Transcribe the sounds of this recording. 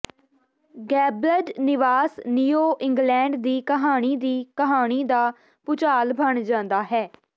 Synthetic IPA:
ɡɛːbləɖnɪʋaːsniːoːʔɪ̃ŋɡlɛ̃ːɳɖd̪iːkəɦaːɽ̃iːd̪iːkəɦaːɽ̃iːd̪aː | pʊt͡ʃaːlbəɳd͡ʒãːnd̪aːɦɛː

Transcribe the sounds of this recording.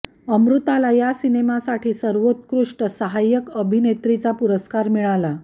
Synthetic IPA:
əmɾut̪alajasinemasaʈʰiːsəɾʋot̪kɾuʂʈəsəɦajəkəbʱinet̪ɾit͡sapuɾəskaɾmiɭala

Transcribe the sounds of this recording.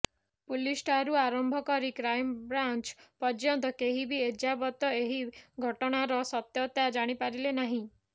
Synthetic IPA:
pulisʈaɾuaɾɔmbʱɔkɔɾikɾajmbɾant͡ʃpɔɾd͡ʒjɔnt̪ɔkeɦibied͡ʒabɔt̪ɔeɦiɡʱɔʈɔɽ̃aɾɔsɔt̪jɔt̪ad͡ʒaɽ̃ipaɾilenaɦĩ

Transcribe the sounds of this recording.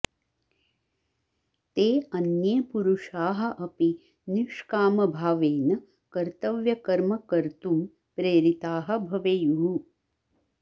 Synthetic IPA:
t̪eːɐnjɐːpuɾuʂaːɦɐʔɐpi | niʂkaːmɐbʱaːʋeːnɐ | kɐɾt̪ɐʋjɐkɐɾmɐkɐɾt̪um | pɾeːɾit̪aːɦɐ̆bʱɐʋejuɦu

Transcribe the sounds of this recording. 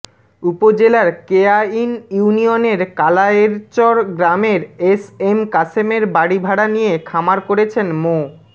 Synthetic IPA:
upod͡ʑelaɾkeainjuunijoneɾkalaeɾt͡ɕɔɾɡɾameɾesemkasemeɾbaɽibʱaɽanijekʰamaɾkoɾet͡ɕʰenmo

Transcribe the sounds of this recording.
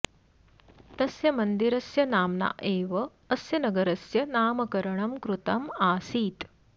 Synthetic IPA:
t̪ɐsjɐmɐnd̪iɾɐsjɐnaːmna̰ːʔeːʋɐː | sjɐnɐɡɐɾɐsjɐnaːmɐkɐɾɐɳɐmkɾut̪ɐmaːsiːt̪

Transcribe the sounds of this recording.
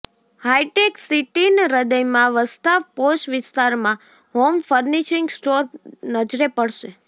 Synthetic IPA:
hajʈeksiʈinɾəd̪əjmãʋəst̪aʋpoʃʋɪst̪aɾmã | ɦomfəɾniʃiŋɡsʈoɾnəd͡ʒɾepəɽʃe

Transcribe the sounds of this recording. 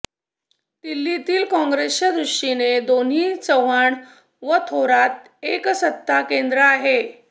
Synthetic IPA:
t̪ilːit̪iːlkɔ̃ŋɡɾesjəd̪ɾuʂʈined̪on̤ɦiːt͡səʋaɳ | ʋət̪ʰoɾat̪̚ | eksət̪ːakend̪ɾəaɦe

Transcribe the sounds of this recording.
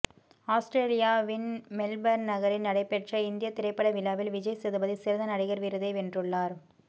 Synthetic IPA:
aːsʈɾeːlɪjaːʋɪnmɛlbɐɾnɐɣɐɾɪnnɐɽɐɪpːɛʈrɐɪnd̪ɪjɐt̪ːɪɾɐɪpːɐɽɐʋɪlːaːʋɪlʋɪd͡ʒɐjsɛðɐbɐðisɪɾɐðɐnɐɽɪɣɐɾʋɪɾɐðɐɪʋɛndrɯɭːaːɾ

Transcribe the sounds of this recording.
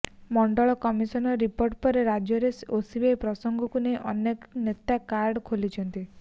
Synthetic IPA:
mɔɳɖɔɭɔkɔmisɔnɔɾipoɾʈ̚pɔɾeɾad͡ʒjɔɾesosibepɾɔsɔŋɡɔkuneʔɔ̰neknet̪akaɾɖkʰolit͡ʃʰɔnt̪i

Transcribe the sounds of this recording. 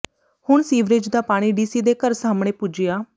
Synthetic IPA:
hʊɳsiːʋɾɪd͡ʒd̪aːpaːɽ̃iːɖiːsiːd̪eːkəɾsaːmɽẽːpʊd͡ʒɪjaː

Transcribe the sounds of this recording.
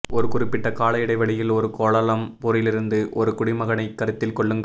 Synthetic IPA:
ɔɾɯkʊrɪpːɪʈːɐkaːlɐjɪɽɐɪʋɐɭɪjɪlɔɾɯkoːɭɐlɐmpoːɾɪlɪɾɯnd̪ɯʔɔɾɯkʊɽɪmɐɣɐnɐɪkːɐɾɯt̪ːɪlkɔɭːɯmɡ

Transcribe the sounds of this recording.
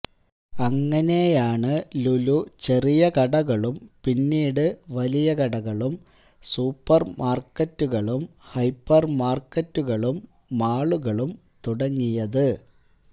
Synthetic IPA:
ɐŋːɐne̞jaːɳɨlulut͡ɕe̞rijɐkɐɽɐɣɐɭumpinːiːɽɨʋɐlijɐkɐɽɐɣɐɭum | suːpːɐrmʔaːrkɐtːuɣɐɭumhɐjpːɐrmaːrkɐtːuɣɐɭumː | aːɭuɣɐɭum | t̪uɽɐŋːijɐðɨ

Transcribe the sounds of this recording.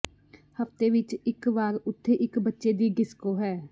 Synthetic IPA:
həft̪eʋɪt͡ʃɪkʋaːɾʊt̪ʰːeʔɪkbətːʃed̪iɡɪskoɦɛː

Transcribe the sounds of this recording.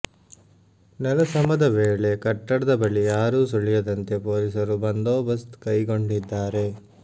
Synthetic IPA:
nɐlɐsɐmɐd̪ɐʋeːɭe̞kɐʈːɐɽɐd̪ɐbɐɭijaːɾuːsuɭijɐd̪ɐnt̪e̞poːlisɐɾubɐnd̪oːbɐst̪kɐjɡo̞ɳɖid̪ːaːɾe̞

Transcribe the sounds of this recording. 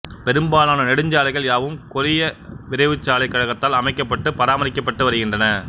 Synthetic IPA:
pɛɾɯmbaːlaːnɐnɛɽɯɲd͡ʒaːlɐɪɣɐɭjaːʋɯmkʊɾɪjɐʋɪɾɐɪʋɯt͡ʃːaːlɐɪkːɐɻɐɣɐt̪ːaːlɐmɐɪkːɐpːɐʈːɯpɐɾaːmɐɾɪkːɐpːɐʈːɯʋɐɾɯɣɪndrɐnɐ

